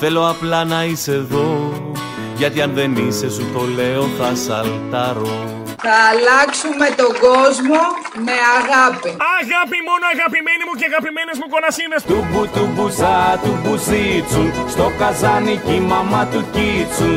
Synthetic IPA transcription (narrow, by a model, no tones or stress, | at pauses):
θe̞lo̞ɐplɐnɐiseðo̞ | ʝɐt̪iɐnðe̞nise̞sut̪o̞le̞o̞θɐsɐlt̪ɐɾo̞ | θɐːlɐksume̞t̪o̞ɡo̞zmo̞me̞aɣɐpiɐɣɐpimo̞noɐɣɐpimenimuceɐɣɐpimene̞zmuko̞nɐsinest̪ubut̪ubusɐt̪ubuzit͡sust̪o̞kɐzɐnicimɐmɐt̪ucit͡su